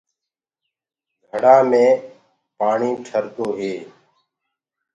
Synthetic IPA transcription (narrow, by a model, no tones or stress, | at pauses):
ɡʱəɽaːmẽː | paːɳiːʈʰəɾt̪oːɦeː